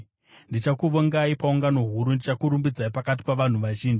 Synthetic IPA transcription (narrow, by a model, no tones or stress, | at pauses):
ndit͡ʃakuʋoŋɡaipauŋɡano̞ɦuɾundit͡ʃakuɾumbid͡zaipakat̬i̥paʋan̤uʋaʒiːnd͡ʒi